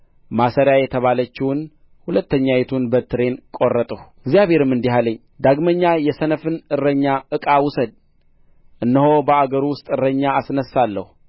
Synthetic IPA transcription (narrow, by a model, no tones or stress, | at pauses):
masəɾjajɛt̪ʰəβalət͡ʃːɪwʊn | hulət̪ːəɲːajɛt̪ʰunbət̪ʰɨɾe̞nkʼo̞rːət̪ʼəhɪɡzjaβhe̞ɾɨmːɨnd̪iɦaləɲː | d̪aɡməɲːajɛsənəfɨnɨrəɲːaʔɨkʼawʊsəd̪̚ | ʔɨnːəɦo̞bəaɡəɾwʊst̪ʼɨrːəɲːaːsnəsːalːə̰hu